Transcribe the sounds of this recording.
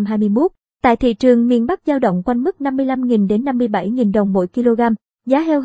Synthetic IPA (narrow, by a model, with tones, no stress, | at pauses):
mɦaː˧jmɨ˧əjmo˦˥t̚ | t̪a̰ː˧˨jt̪ʰḭ˧˨t͡ɕɨ˨˩əŋmḭ˧˨ənɓa˦˥k̚zaː˧wɗə̰˧˨wŋ͡mkwa˧jnmɨ˦˥k̚na˧mːɨ˧əjla˧mŋi˨˩nɗe˨˦nːa˧mːɨ˧əjɓa˧˩jŋi˨˩nɗə˨˩wŋ͡mmːo̰˧˥jki˧lo˧ɣaː˧m | zaː˨˦ɦɛ˧wɦ